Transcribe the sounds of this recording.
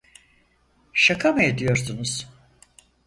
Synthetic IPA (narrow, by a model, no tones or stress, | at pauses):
ʃakʰamaad̪ijo̞ɾsunuz̥